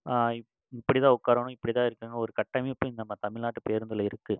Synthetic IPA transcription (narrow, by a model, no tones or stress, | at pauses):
aːɪ | ɪpːɐɽit̪ãːʊkːaːɾʋɐnʊ̃ɪpːɐɽit̪ãːɪɾɯkːɯːŋɡɐɔɾɯkɐʈːɐmepːonɐmːɐt̪ɐmɪɭnaːʈːɯpeːɾɯnd̪ɯlɐɪɾɯkːɯ